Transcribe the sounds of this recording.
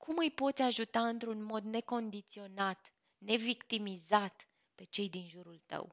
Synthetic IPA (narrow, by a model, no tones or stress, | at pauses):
kʰumɨjpo̞t̪sʲaʒut̪aɨnt̪ɾunmo̞d̪ne̞ko̞nd̪it̪sio̞nat̪ | ne̞vikt̪imizat̪ | pe̞t͡ʃe̞jd̪inʒuɾult̪ə̰w